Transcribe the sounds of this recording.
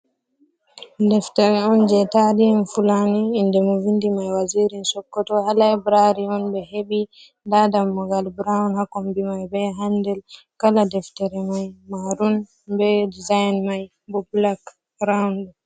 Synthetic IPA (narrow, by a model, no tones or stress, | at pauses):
dɛftɛɾɛɔnd͡ʒɛtadinfulaniːndɛmɔvindimajwaziɾinsɔkːɔtɔhalaɛbɾaɾiɔnbɛɦebi | dadamːɔɡalbɾawnhakɔmbimajbɛɦandɛl | kaladɛftɛɾɛmajmaɾun | bɛdizajnmaj | bɔblak | ɾawnɗɔ